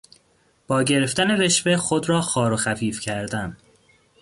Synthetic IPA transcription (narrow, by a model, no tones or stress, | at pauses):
b̥ɒːɟe̞ɾe̞ft̪æne̞ve̞ʃve̞xo̞d̪ɾɒːxɒːɾoxæfiːfcʰæɾd̪æn